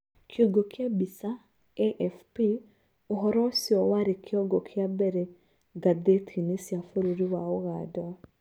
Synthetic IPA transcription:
kʰjɔɡɔkʰjabisa | eʔɛfpi | oɦɔɾɔsiɔwaɾekʰjɔɡɔkʰjabɛɾɛ | ɡadetʰinesjafoɾuɾiwaoɣada

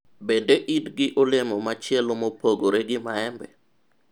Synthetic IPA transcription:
bendeʔidɡɪʔɔlemɔmat͡ʃɪɛlomopʰoɡoɾeɡɪmaɛmbɛ̰

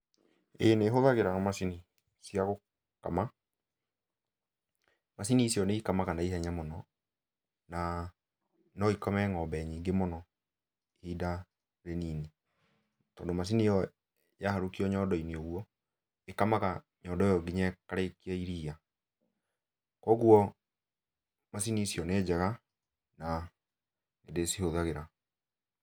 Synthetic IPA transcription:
eneɦoðaɣeɾaŋɔmasini | siaɣo | ka̰ma | masinisiɔneikamakanaihɛɲamɔnɔ | na | nɔikɔmɛŋɔbɛɲiːŋɡemɔnɔ | hida | ɾeniːni | tɔːndomas̬iniɔ | jahaɾukiɔɲɔːdɔinioɣuɔ | ekamaka | ɲɔdɔejɔɡiɲakaɾekiaiɾiːa | kɔɣuɔ | masinisiɔneːd͡ʒɛɣa | na | nedesihoðaɣeɾa

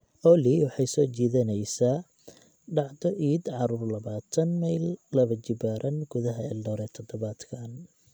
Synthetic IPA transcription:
ʔɔliwɑħɑjsɔːt͡ʃiːðɐnɛjsaː | ɖɑʕd̪ɔʔiːd̪ʕɑɾuːrlɐβaːt̪ʰɐnmɐjllɐβɐt͡ʃɪbaːɾʔɐnɡ̥ʊðɐɦɐɛ̰ːdɔːɾɛːt̪ʰɔd̪ɔβaːd̪kʰaːn

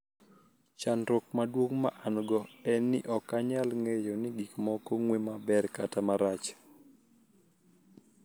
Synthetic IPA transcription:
t͡ʃanɾok̚madwoŋmaʔanɡɔɛnːɪ̰ʔɔkaɲalŋejɔnɪɡikmɔkɔŋwemabɛɾkatamaɾat͡ʃ

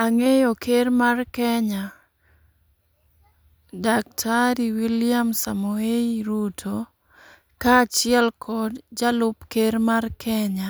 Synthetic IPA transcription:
aŋejokʰeɾmarkɛɲa | dak̚tʰaɾiwiljamsamueiɾutʰo | kat͡ʃɪɛlkʰɔdd͡ʒalʊpkeɾmarkʰɛɲa

